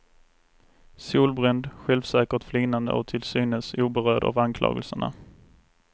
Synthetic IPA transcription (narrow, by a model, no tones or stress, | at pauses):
suːlbɾɛnd̪ɧɛlvsɛːkəʈflyːnand̪ə̰ɔ̰t̪ʰɪlsyːnəsuːbɛɾœːɖa̰ːvankʰlɑ̰ːɡə̰lsəɳa̰